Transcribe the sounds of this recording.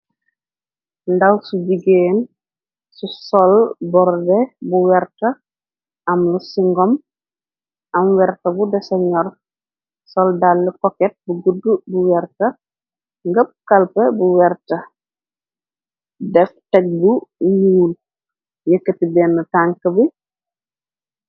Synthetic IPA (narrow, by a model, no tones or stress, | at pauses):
ndɐwsuɟiɡeːn | susɔlbɔɾdɛbuwɛrtɐ | ʔɐmlusiŋɡɔm | ɐmwɛɾtɐbudɛsɛɲɔr | sɔldalːɛkɔkɛt̚buɡudːubuwɛrtɐ | ŋɡəp̚kɐlpəbuwɛrtɐ | dɛftɛk̚buɲuːl | jəkːətibɛːnːɐtaŋkɐbi